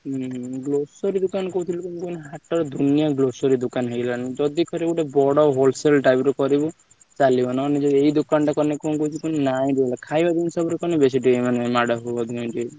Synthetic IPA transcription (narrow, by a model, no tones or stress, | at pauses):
ɡlosɔɾid̪ukanɔkɔut̪ʰilukunkunɦaʈɔɾɔd̪ʱunijaɡlosɔɾid̪ukanɦeɡlaned͡ʒɔd̪ikɔɾiuʈebɔɽɔɦolselʈajbɾɔkɔɾibu | t͡ʃalibɔnaːned͡ʒɔeid̪ukanʈakɔnekɔũkout͡ʃ̪ʰikunnaĩɾilakʰajbad̪insɔbɾekɔnebes̬iʈimanemaɽɔɦobad̪ĩd͡ʒe